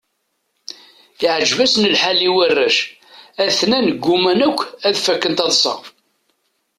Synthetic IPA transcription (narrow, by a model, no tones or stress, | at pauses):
iʕʒvæsnəlħaliwərːæʃ | æθnænəɡːumænækʷːæðfækːənt̪ɑðˤsˤɑ̰